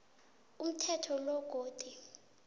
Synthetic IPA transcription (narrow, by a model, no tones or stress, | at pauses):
um̩tʰɛtʰɔlɔɡ̥ʱoːd̥ʱi